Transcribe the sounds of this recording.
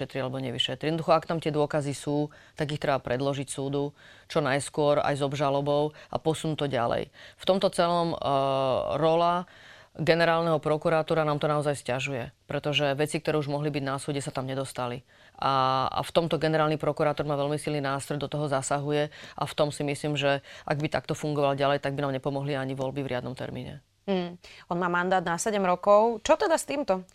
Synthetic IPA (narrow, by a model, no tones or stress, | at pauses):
ɛt̪ɾialɛbɔɲɛʋiʃɛt̪ɾiɛd̪nɔd̪uxɔakt̪amt̪ɪɛd̪ʊɔkazisuːt̪aɡixt̪ɾɛbapɾʔɛd̪lɔʒicsuːd̪ut͡ʃɔnajskʊɔɾa̰jzɔbʒalɔbɔʊʔa̰pɔsunuːt̪ɔɟa̰lɛ̰jft̪ɔmt̪ɔt͡sɛlɔm | ɾɔlaɡɛnɛɾaːlnɛɦɔpɾɔkuɾaːt̪uːɾanaːmt̪ɔnaɔzajscaʒujɛpɾɛt̪ɔʒɛʋɛt͡sikt̪ɔɾɛːuʒmɔɦlibiɟnasuːɟɛsat̪amɲɛd̪ɔst̪ali | ʔa̰ft̪ɔmt̪ɔɡɛnɛɾaːlnipɾɔkuɾaːt̪ɔɾmaːʋɛlmisilninaːst̪ɾɔjd̪ɔt̪ɔɦɔzasaɦujɛʔa̰ft̪ɔmsimisliːmʒɛʔaɡbit̪a̰kt̪ɔfuŋɡɔʋalɟalɛjt̪aɡ̚binaːmɲɛpɔmɔɦliaɲiʋɔlbivɾʔɪad̪nɔmt̪ɛ̰ɾmḭːɲɛ̰ | m̩ɦ̩ɔnmaːmand̪aːd̪nasɛɟɛmɾɔkɔʊt͡ʃɔt̪ɛd̪ast̪iːmt̪ɔ